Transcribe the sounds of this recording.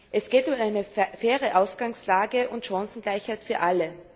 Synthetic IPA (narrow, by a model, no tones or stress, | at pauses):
ʔɛsɡ̥eːtʊmaɪnəfɛːʁəʔaʊsɡ̥aŋslaːɡəʔʊntʃɑ̃sn̩ɡlaɪçhaɪtfyːɐʔalə